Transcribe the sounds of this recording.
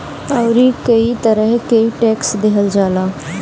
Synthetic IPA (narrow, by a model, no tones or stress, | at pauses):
əʊɾiːkəit̪əɾəɦkəiʈɛːksd̪eɦəld͡ʒaːlaː